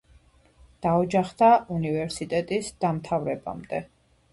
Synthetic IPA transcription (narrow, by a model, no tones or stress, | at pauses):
d̪̥aɔd͡ʒaχd̪aunivɛɾsit̪ʼɛt̪ʼisd̪̥amt̪ʰavɾɛba̰md̪ɛ